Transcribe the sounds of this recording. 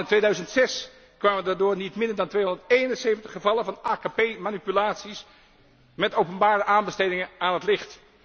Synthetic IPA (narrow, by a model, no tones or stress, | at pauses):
ɪntʋejdœɥzəntsɛs | kʋaːmədaːdʊːɹnitmɪndəɹdɑntʋejɔndəɹtejnənsejvəntəχəvɑlənvɑnaːkapejmaːnipylaːtsis | mɛtowpənbaːɾəʔaːnbəstejdɪŋəaːnɦətlɪχt